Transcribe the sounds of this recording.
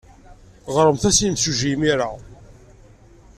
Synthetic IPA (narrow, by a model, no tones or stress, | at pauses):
ʁɾˤəmθæsimsuʒimiɾa